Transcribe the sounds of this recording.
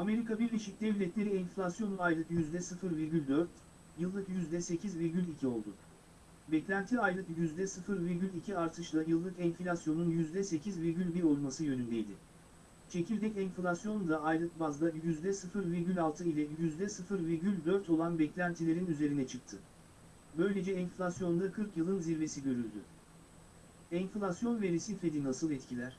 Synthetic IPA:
ame̞ɾikʰabiɾlʲeʃic̚d̪ɛvlʲɛt̪ʰlʲe̞ɾiɛnflʲasjo̞nuajlˠɯkjyzd̪ɛsɯfɯɾviɾɟʲylʲd̪øɾt̪ | jɯlˠːɯkjyzd̪ɛse̞cʰizviɾɟʲylʲicʰio̞lˠd̪ʊ̰ | bɛclʲænt̪ʰiajlˠɯkjyzd̪ɛsɯfɯɾviɾɟylʲicʰiaɾt̪ʰɯʃlˠajɯlˠːɯkɛnflʲasjo̞nunjyzd̪ɛse̞cʰizviɾɟʲylʲbiɾo̞lˠmasɯjø̞nynd̪ɛjd̪ɪ | t͡ʃʰe̞cʰilʲd̪ɛcɛnflʲasjo̞nd̪aːjlˠɯk̚bazd̪ˠajyzd̪ɛsɯfɯɾviɾɟʲylʲalˠt̪ʰɯilʲɛjyzd̪ɛsɯfɯɾviɾɟylʲd̪ø̞ɾt̪ʰo̞lˠanbɛclʲænt̪ʰilʲe̞ɾinyze̞ɾinɛt͡ʃʰɯk̚t̪ʰɯ | bø̞jlʲe̞d͡ʒɛːnflʲasjo̞nd̪akʰɯɾkjɯlˠɯnziɾve̞siɟø̞ɾylʲd̪y̰ | ɛnflʲasjo̞nvɛɾesiflʲed̪inasɯlˠɛt̪cʰilʲæɾ̝̥

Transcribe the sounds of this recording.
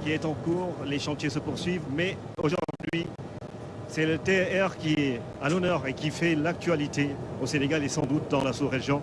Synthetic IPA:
kʲiɛt̪ɑ̃kuːʁleʃɑ̃t̪jesəpuʁsɥivmɛ | oʒuʁʁd̪ɥi | sɛlət̪eɛʁkʲiɛ | alɔnœʁekʲifɛlak̚t̪ɥalit̪eoseneɡalesɑ̃d̪ut̪̚d̪ɑ̃lasuʁeʒjɔ̃

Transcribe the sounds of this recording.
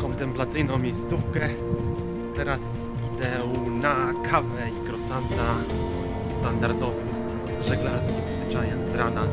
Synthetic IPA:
kɔnt̪ɛmplat̪sɘjnɔ̃w̃mʲejst̪sufkɛ | t̪ɛɾas | d̪ɛwnakʰavɛikɾɔsand̪a | st̪and̪aɾd̪ɔvɨm | ʐɛɡlaɾskʲimzvɘt͡ʂajɛmzɾana

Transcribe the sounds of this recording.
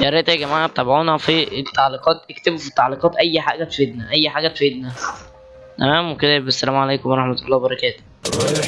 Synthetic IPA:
jæɾˤeʔt̪æɡæmaʕat̪ˤːɑbʕuːnæfit̪ːɑʕliqɑːt̪ʔekt̪ebufit̪ːɑʕliːqɑːt̪ʔæjːħaːɡæt̪feːd̪næʔæjːħaːɡæt̪fed̪næ | t̪æmæːmweked̪æbæsːælæːmʕaleːkomwɑɾˤɑħmæt̪olˤːɑːwbɑɾˤɑkæːt̪o̥

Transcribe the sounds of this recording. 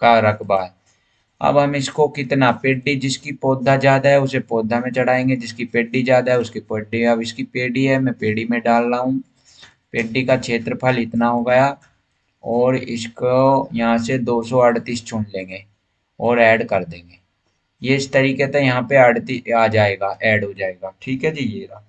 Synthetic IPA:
kaɾəkbaːd̪ | ə̰bɦəmɪskokɪt̪napeːɖiːd͡ʒɪskipoːd̪ʱaːd͡ʒjaːd̪aːɦɛːʊsepoːd̪ʱaːmẽt͡ʃəɽaːẽːŋɡed͡ʒɪskipeːɖid͡ʒjaːd̪aɦɛːʊskipeːɖiəbɪskipeːɽiɦɛːmɛ̃ːpeːɽiːmẽɖaːlːaːɦũː | peːɖikaːt͡ʃʰeːt̪ɾəpʰəlɪt̪naːɦoːɡəjaː | ɔːɾɪskojəɦãːsed̪oːsɔːəɖt̪iːst͡ʃʰʊɳlẽːŋɡeː | ɔːɾɛːɖkəɾd̪ẽːŋɡeː | jeːɪst̪əɾiːket̪ẽjəɦãːpeəɖt̪iaːd͡ʒaːeːɡaːʔɛːɖɦoːd͡ʒaːeːɡaːʈʰiːkɦɛːd͡ʒiːeːaː

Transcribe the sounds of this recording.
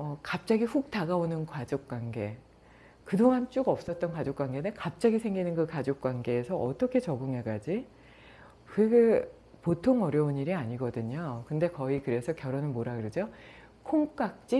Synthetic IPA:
ʌkap̚t͡ɕ͈aɡiɸuk̚taɡaonɯnkwad͡ʑok̚k͈waŋɡe̞ | kɯdoŋant͡ɕ͈uɡʌp̚s͈ʌt̚t͈ʌnkwad͡ʑok͈waŋɡe̞nekap̚t͡ɕ͈aɡisʰe̞ŋɡinɯnkɯkad͡ʑok̚k͈waŋɡe̞ːsʰʌʔʌt͈ʌkʰe̞t͡ɕʌɡɯŋɦe̞ɡad͡ʑi | kɯeɡe | potʰoŋʌɾjʌuniɾiaɲiɡʌdɯɲokɯnde̞kʌikɯɾe̞sʰʌkjʌɾʌnɯnmoɾaɡɯɾed͡ʑo | kʰoŋk͈ak̚t͡ɕ͈i

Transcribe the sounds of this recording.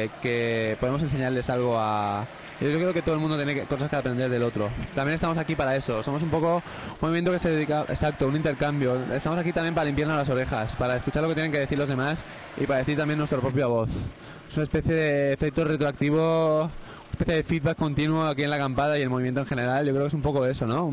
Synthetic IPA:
ke̞poðemos̬ense̞ɲaɾle̞salɣ̞o̞a | joʝokɾeoket̪oðlmũnot̪jeneko̞saskaapɾe̞nd̪e̞ɾðe̞lo̞t̪ɾo̞t̪amjenest̪amo̞sakipaɾae̞so̞so̞mos̬umpo̞ko̞ | umːoimje̞nt̪o̞ke̞seðeðikaʔesak̚t̪ounint̪eɾkambjo̞est̪amo̞sakit̪amje̞mpaɾalimpjaɾnolaso̞ɾe̞xaspaɾae̞skut͡ʃaɾloket̪jeeŋkeðe̞θiɾlo̞zð̞e̞mas | ḭpaɾaðe̞θiɾt̪ambje̞nwe̞st̪ɾopɾo̞pjaβo̞θ | esunaespeθjeðeːfe̞k̚t̪ore̞t̪ɾoak̚t̪iβ̞o | unespe̞θjeðe̞fiðβakːo̞nt̪inwoak̬ie̞nlakampaðaie̞lmoβimjent̪oe̞nxe̞ne̞ɾalʝokɾeoksumpo̞ko̞e̞so̞no̞

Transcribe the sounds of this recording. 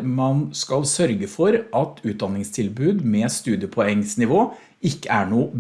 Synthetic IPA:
mɑnskɑlsœɾɡəfɔɾʔɑt̪ʰʉːt̪̚d̪ɑnːɪŋst̪ʰɪlbʉːd̪meːst̪ʉːd̪ɪəpʰɔɛŋsnɪʋoː | ɪkːəæɳuːb

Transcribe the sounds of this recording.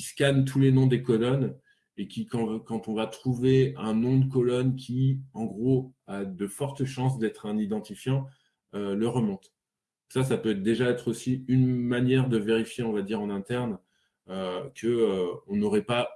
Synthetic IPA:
kʲisə̥kant̪ʰulenɔ̃d̪ekɔlɔn | ekʲikɑ̃kɑ̃t̪ɔ̃vat̪χuveɛ̃nɔ̃d̪əkɔlɔnkʲiɑ̃ɡʁoad̪əfɔʁt̪əʃɑ̃s̬d̪ɛt̪χɛ̃nid̪ɑ̃t̪ifjɑ̃ | øləʁəmɔ̃t̪ | sas̬apøɛt̪d̪eʒaɛt̪χosiynmanjɛʁd̪əveʁifjeɔ̃vad̪iʁɑ̃nɛ̃t̪ɛʁn | økʰəøɔ̃nɔʁɛpa

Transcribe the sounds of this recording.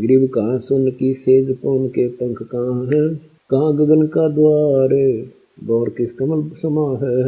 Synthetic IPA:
ɡɾibkaãːsʊnkiseːzponkeːpə̃ŋkʰkãːɦ | kɐɦãːɡəɡənkaːd̪ʊaːɾeː | bɔːɾkɪskaməlbsəmãːɦɛ

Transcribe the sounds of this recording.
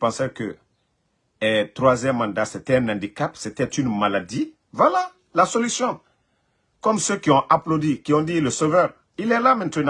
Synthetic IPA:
pãsɛkə̰ | ɛt̪ɾwazjɛmːãnd̪aset̪ɛɛ̃nãnd̪ikapset̪ɛt̪ynmalad̪i | vwala | lasolysjɔ̃ | kɔmsøkiɔ̃ʔaplod̪ikiɔ̃d̪iləsovœɾ | ilɛlamɛ̃nt̪ənã

